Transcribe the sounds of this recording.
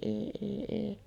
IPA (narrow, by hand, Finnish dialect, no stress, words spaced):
eˑi eˑi eˑi